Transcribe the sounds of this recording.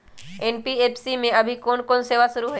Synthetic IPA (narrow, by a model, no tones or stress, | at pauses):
eːnpieːpʰsimẽɐbʱikoːnkoːnseːʋasʊɾuɦo